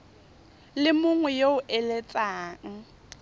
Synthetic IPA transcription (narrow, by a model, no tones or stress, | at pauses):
lɪmʊŋwɛjoʊʔɛlet͡sʼaːŋ̩